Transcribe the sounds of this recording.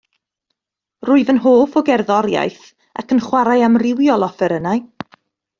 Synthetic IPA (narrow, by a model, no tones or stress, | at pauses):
rʊːɨðənɦoːfɔɡɛrðɔɾja̰jθ | a̰kʰənχwaɾajamrɪwjɔlˠɔfɛɾənaj